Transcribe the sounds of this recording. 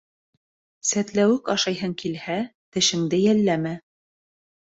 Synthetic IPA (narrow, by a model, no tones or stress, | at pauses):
sæt̪læwɘkɑʃɑjɦɤŋkilhæt̪ɘ̆ʃɘ̆ŋd̪ɘjælːæmæ